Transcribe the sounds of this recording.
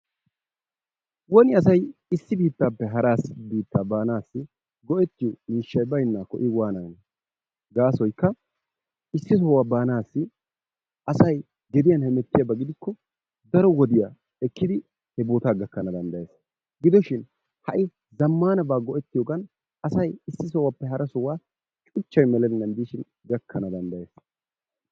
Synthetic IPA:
wɔnɪɐs̬ɐjɪsːɪbiːt̪ːaːpːɛɦɐɾaːsbiːt̪ːaːbaːnaːsːɪ | ɡɔʔɛt̪ːɪjɔmiːʃːɐjbɐjnːakɔ̰ʔɪwaːnɐn | ɡaːsɔjkːɐ | ɪsːɪsɔwaːbaːnaːsːɪ | ɐsɐj | ɡɛd̪ɪjɐnhɛmɛt̪ːɪjabɐɡɪd̪ɪkːɔ | d̪ɐɾɔwɔd̪ɪja | ɛkːɪd̪ɪ | hɛboːt̪aːɡɐkːɐnɐd̪ɐnd̪ɐjeːs | ɡɪd̪ɔʃɪn | hɐʔɪ | zɐmːaːnɐbaːɡɔʔɛt̪ːɪjɔːɡɐn | ʔɐsɐjɪsːɪs̬ɔwapːɛɦɐɾɐsɔwaː | t͡ʃʼʊt͡ʃːɐjmɛlɛnːɐnd̪iːʃɪn | ɡɐkːɐnɐd̪ɐnd̪ɐjeːs

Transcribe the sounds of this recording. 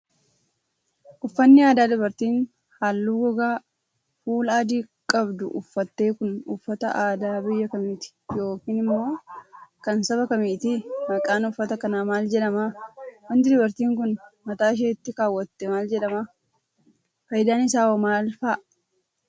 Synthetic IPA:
ʔʊfːɐnːɪaːd̪aːd̪ʊbɐɾt̪iːn | haːlːuːɡɔɡaː | fuːlaːd̪iːkʼɐbd̪ʊ̰ʔʊfːɐt̪ːe̞ːkʊnʊfːɐt̪ɐʔaːd̪aːbɪjːɐkɐmiːt̪ɪ̥jo̞ːkiːnɪmːo̞ːkɐnsɐbɐkɐmiːt̪ɪmɐkʼːaːnʊfːɐt̪ɐkɐnaːmaːld͡ʒɛᶑɐmaːwɐnd̪ɪd̪ʊbɐɾt̪iːŋkʊnmɐt̪aːʃ̬eːɪt̪ːɪkaːwːɐt̪ːɛmaːld͡ʒɛᶑɐmaː | fɐjɪd̪aːnɪsaːɔmaːlfaʔ

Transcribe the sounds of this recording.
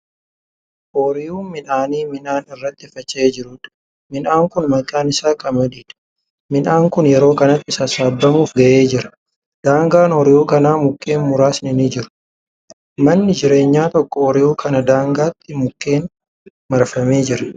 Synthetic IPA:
ʔoːɾɪjuːmɪnaːniːmɪnaːnɪrːɐt̪ːɪfɐt͡ʃːɐeːd͡ʒɪɾʊːᶑ̪ | mɪnaːŋkʊnmɐkʼːaːnɪsaːkʼɐmɐd̪iːᶑ̪ɐ̥ | mɪnaːŋkʊnjɛɾo̞ːkɐnɐt̪ːɪsɐsaːbːɐmuːfɡɐʔe̞ːd͡ʒɪɾɐ̥ | d̪̥aːŋɡaːnɔɾɪʔuːkɐnaːmʊkʼːe̞ːnmʊɾaːsnɪnɪd͡ʒɪɾʊ̥ | mɐnːɪd͡ʒɪɾe̞ːɲːaːt̪ɔkːɔɔɾɪjuːkɐnɐd̪aːŋɡaːt̪ːɪmʊkʼːe̞ːn | mɐɾfɐme̞ːd͡ʒɪɾɐ

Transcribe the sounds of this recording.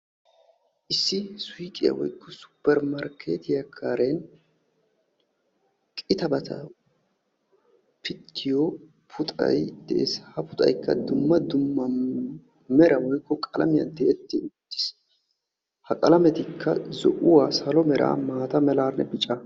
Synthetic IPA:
ʔɪsːɪsʊjkʼɪjɐ̰wɔ̰jkːɔsʊ̥pːɛɾmɐɾkʰḛːt̪ɪjɐkʰːaːɾen | kʼɪt̪ɐbɐt̪ʰɐ̰ | pɪt̪ʰːɪjɔ | pʰʊt̪ʼɐ̰jd̪̥ɛʔḛːshɐpʊt̪ʼɐ̰jkːɐ̰d̪ʊmːɐd̪ʊmːɐ | mɛɾɐwɔjkːɔkʼɐlɐmɪjɐ̰nd̪eʔɛt̪ːɪʊt̪ːɪ̥s | hɐkʼɐlɐmɛt̪ɪkʰːɐzɔʔʊwaːsɐlɔmɛɾʔa̰ːmaːt̪ɐmɛlaːɾnɛbɪt͡ʃʼɐ

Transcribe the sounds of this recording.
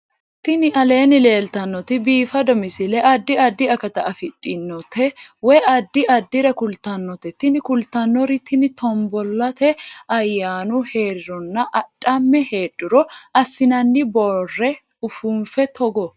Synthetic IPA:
t̪ɪnɪʔɐle̞ːnɪle̞ːlt̪ɐnːɔt̪ɪbiːfɐd̪ɔmɪsɪlɛʔɐd̪ːɪɐd̪ːɪɐkɐt̪ɐʔɐfɪt̪ʼːɪnːɔt̪ʰːɛwɛʔɐd̪ːɪʔɐd̪ːɪɾɐkʊlt̪ɐnːɔt̪ɛt̪ːɪnɪkʊlt̪ɐnːɔɾɪt̪ːɪnɪt̪ɔmbɔlːɐt̪ɛɐjːaːnʊhe̞ːɾɪɾɔnːɐʔɐᶑʼːɐmːɛhe̞ːᶑʊɾɔʔɐsːɪnɐnːɪbɔrːɛ | ʊfuːnfɛt̪ʰɔɡɔ

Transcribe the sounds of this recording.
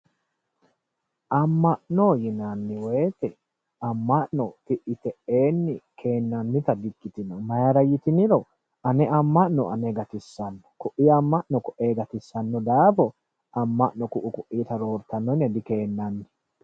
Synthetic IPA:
ʔɐmːɐʔnojɪnɐnːɪwɛjt̪ɛ | ɐmːɐʔnɔt̪ɪʔɪt̪ɛʔe̞ːnːɪkʰe̞ːnːɐnːɪt̪ɐd̪ɪkːɪt̪ɪnɔmɐjɐɾɐjɪt̪ɪnɪɾɔ | ɐnɛɐmːɐʔnɔɐ̰nɛɡɐt̪ɪsːɐnːɔ̥kʊʔɪɐmːɐʔnɔkʊʔe̞ːɡɐt̪ɪsːɐnːɔd̪aːfɔ | ʔɐmːɐʔnɔkʊʔʊkʊʔːiːt̪ɐɾo̞ːɾt̪ɐnːɔnːɛd̪ɪke̞ːnːɐnːɪ

